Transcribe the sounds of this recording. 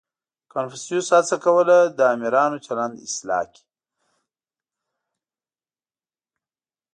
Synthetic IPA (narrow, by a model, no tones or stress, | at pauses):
kanfisjushat͡sakawəlad̪əamiɾɑnot͡ʃaland̪ɪ̰slɑ̰ːki̥